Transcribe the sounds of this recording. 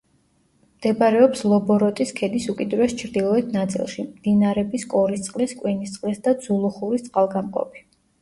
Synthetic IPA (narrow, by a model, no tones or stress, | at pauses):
md̪̥ɛbaɾɛɔpslˠɔbɔɾɔt̪ʼiskʰɛd̪isukʼid̪ɾɛst͡ʃʰɾd̪ilˠɔɛt̪ʰnat̪sʼḭlˠʃimd̪̥inaɾɛbiskʼɔɾist̪sʼqʼliskʼwinist̪sʼqʼlisd̪ad̪z̥ulˠuχuɾist̪sʼqʼalˠɡamqʼɔ̰pʰi̥